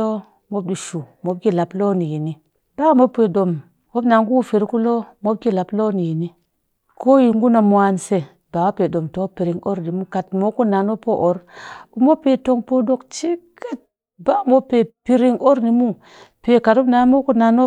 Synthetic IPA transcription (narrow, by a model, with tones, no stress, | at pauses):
o˦ | mo˦b̚di˨ʃu˨mo˨˦b̚ɡi˦la˨plo˦ni˨ji˨ni˦ | b̥a˦mo˦pʷːe˨do˨m | o˦bna˨ŋɡu˦fi˨ɾku˦lo˦mo˦b̚ki˦la˨plo˦ni˨ji˨ni˦ | kʰo˦ji˦˨ŋ˦ɡu˦na˨mwa˦nse˨ | b̥a˨wa˦pe˨do˨mto˨˦pi˨ɾi˨ŋo˦ɾni˨mu˦ka˨tmo˦ku˦na˨no˦po˦ʔo˨˦ɾu˨mo˦pe˨to˦ŋpo˦do˦kt͡ʃi˦ka˦t̚ | ba˦mo˦pe˨pi˦ɾi˦ŋo˦ɾni˨mu˦ | pe˨ka˨to˦bna˨˦mo˦ku˦na˨no˦